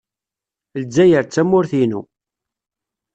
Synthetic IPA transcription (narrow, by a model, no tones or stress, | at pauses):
ld͡zːæjəɾt͡sːæmːʊɾθinṵ